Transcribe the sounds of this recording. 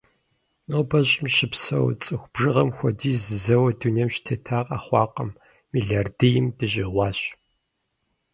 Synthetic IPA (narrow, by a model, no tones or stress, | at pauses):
noːbɐɕʼɪmʃɪpsɐ̰wt͡sʼɨxʷb̥ʒɨʁɐmxʷɔdiːzɨzɐwɐdunijmʃtʰɐtʰaːqʼaːχʷɑːqɐmː | iːɮardejɪmdɨʑɪʁʷɑːɕ